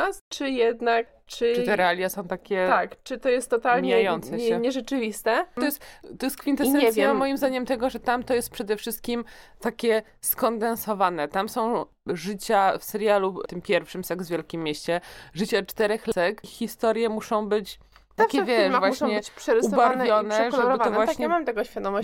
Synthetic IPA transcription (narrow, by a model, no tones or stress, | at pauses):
ast͡ʂɨjɛd̪nak̚ | t͡ʂɘʈ͡ʂɨt̪ɛɾɛalʲjasɔ̃w̃t̪akʲɛt̪akt͡ʂɨt̪ɔjɛst̪ːɔt̪alɲmijajɔnt̪sɛɕɛɲɛʐɛt͡ʂɘvʲist̪ɛɔjɛst̪t̪ɔjɛst̪kfʲint̪ɛɲɛɛvsʲjɛamɔjimzd̪aɲɛmt̪ɛɡɔʐɛt̪amt̪ɔjɛst̪̚pʂɛd̪ɛfʂɘst̪̚kʲimt̪akʲɛ | skɔnd̪ɛnsɔvanɛt̪amsɔ̃w̃ | ʐɘt͡ɕafsɛɾjalut̪ɘmpʲjɛɾfʂɘmsɛɡvvʲjɛlkʲimːjeɕt͡ɕɛʐɘt͡ɕat͡ʂt̪ɛɾɛxsɛkxʲist̪ɔɾʲjɛmuʂɔ̃w̃bɘt͡ɕ | t̪akʲɛvʲjɛmvwauɕʂɔ̃ɲɛt͡ɕpʂɛɾɨsuɔbwavnjɔnɛʐɛɔvaɔvvwaɲɛɛmamt̪ɛɡɔɕfʲjad̪ɔmɔ